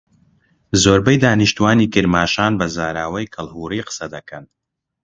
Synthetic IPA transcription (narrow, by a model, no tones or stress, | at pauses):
zoːɾbɐjd̪aːniʃt̪uwaːniːkɨɾmaːʃaːnbɐzaːɾaːwɐjkʰɨlˠhuːriːqə̥sɐd̪ɐkʰɐn